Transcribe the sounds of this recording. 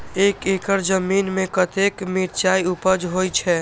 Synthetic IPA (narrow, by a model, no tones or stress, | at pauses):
ekekəɾd͡ʒəminmẽkət̪ekmiɾt͡ʃaiupəd͡ʒɦojt͡ʃʰɛ